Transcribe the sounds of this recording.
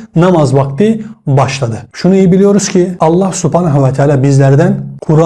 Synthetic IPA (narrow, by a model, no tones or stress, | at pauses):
nɑmɑzvɑkt̪ɯbɑʃlˠɑd̪ɯʃunuejibilijo̞ɾuz̥cʰiɑlˠːɑhsupʰanaɦuvat̪ʰaːlʲaːbizlæɾd̪ænkʰuɾ